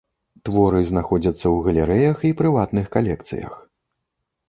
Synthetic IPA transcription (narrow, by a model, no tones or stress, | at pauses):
t̪vɔɾɨznaxɔd͡zʲɐt̪sːɐwɣɐlʲɛɾɛjɐxipɾɨvat̪nɨxkalʲɛk̚t̪sɨ̰jɐ̰x